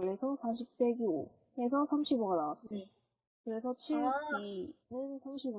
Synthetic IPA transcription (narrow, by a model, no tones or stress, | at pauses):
ɭe̞sʰʌsʰaɕ̬ʰip̚p͈e̞ɡio | esʰʌsʰamɕʰiboɡanawas͈ʌ | kɯɾe̞s̬ʰʌt͡ɕʰiɭɡ͈inɯnsʰamɕʰibo